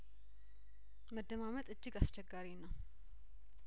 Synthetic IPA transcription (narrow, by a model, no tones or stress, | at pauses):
məd̪ːəmamət̪ʼɨd͡ʒːɪɡast͡ʃɛɡːaɾinːəw